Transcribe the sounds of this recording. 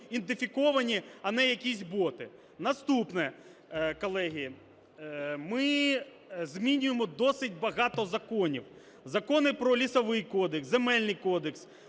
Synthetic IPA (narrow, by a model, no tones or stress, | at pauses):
int̪ɪfʲikɔʋɐnʲiɐnɛjɐkʲisʲbɔt̪ɪ | nɐst̪upnɛ | kɔlˠɛɦʲijɛ | mɪ | zmʲinʲʊjemɔd̪ɔsɪt̚ʲbɐɦɑt̪ɔzɐkɔnʲiw | zɐkɔnɪpɾɔlʲisɐʋɪjkɔd̪eksemɛlʲnɪjkɔd̪eks